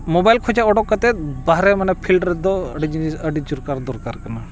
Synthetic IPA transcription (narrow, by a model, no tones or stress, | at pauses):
mɔbajlkʰɔd͡ʒaɔɖɔkːət̪ɛt̪̚baɦɾɛmanapʰilʈɾɛd̪ɔə̰ɖid͡ʒinisəɖid͡ʒuɾkaɾd̪ɔɾkaɾkana